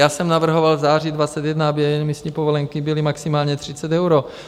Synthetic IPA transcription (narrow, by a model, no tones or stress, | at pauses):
jaːsɛmnavr̩ɦovalzaːridvat͡sɛt̪jɛdnaabɪɛjɛnmisɲiːpovolɛŋkibɪlimaksimaːlɲɛt̪r̝̥it͡sɛt̪ɛwɾo